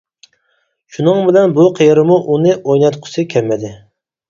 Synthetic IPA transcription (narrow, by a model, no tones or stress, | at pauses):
ʃunɨŋbɪlɛnbuqʰejɾɪmuʔunɨʔojnɛt̪qʰʊ̥sɨkʲʰɛmːɛd̪ɪ